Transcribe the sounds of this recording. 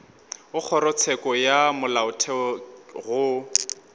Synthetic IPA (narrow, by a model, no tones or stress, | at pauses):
ʊk͡xʰɔɾɔt͡sʰɛkʼɔjamʊlaʊtʰɛɣʊ